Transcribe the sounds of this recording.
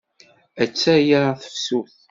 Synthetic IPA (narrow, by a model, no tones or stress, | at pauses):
æt͡sːæjaɾθə̥fsuθ